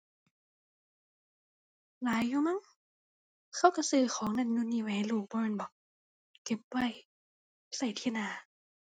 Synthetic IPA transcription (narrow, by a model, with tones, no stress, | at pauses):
laː˨˦jːuː˧ma˧˥˨ŋ | kʰa˧˩˨wksɯː˧˩xʰɔː˨˦ŋna˧˥˨nnu˧˨niː˧˩wɛː˨˧˦luː˧˩k̚bɔː˧˨nbɔ˨˦ | ke˧˦p̚wa˧˩˨j | sa˧˩jt̪ʰiː˧˩˨naː˧˩